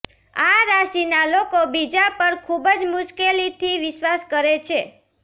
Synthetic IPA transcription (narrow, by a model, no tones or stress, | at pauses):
aɾaʃinalokobid͡ʒapəɾkʰubəd͡ʒmʊʃkelit̪ʰiʋɪʃwaskəɾet͡ʃʰe